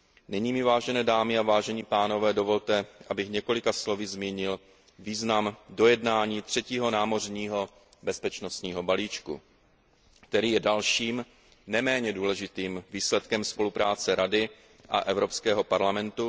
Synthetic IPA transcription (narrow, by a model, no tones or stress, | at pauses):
nɪɲiːmɪvaːʒɛnɛːdaːmɪavaːʒɛɲipaːno̞vɛːdo̞vo̞lt̪ɛʔabɪxɲɛko̞lɪkaslo̞vɪzmiːɲɪl | viːznamdo̞jɛdnaːɲiːt̪r̝̥ɛciːɦo̞naːmo̞rɲiːɦo̞ | bɛspɛt͡ʃno̞st̪ɲiːɦo̞baliːt͡ʃkṵ | k̚t̪ɛɾiːjɛdalʃiːm | nɛmɛːɲɛduːlɛʒɪt̪iːmviːslɛt̪kɛmspo̞lupɾaːt͡sɛɾadɪ | ʔa̰ʔɛvɾo̞pskɛːɦo̞paɾlamɛnt̪u